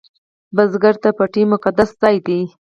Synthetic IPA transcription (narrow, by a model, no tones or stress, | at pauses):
bazɡaɾt̪apəʈimʊqad̪aszɑjd̪i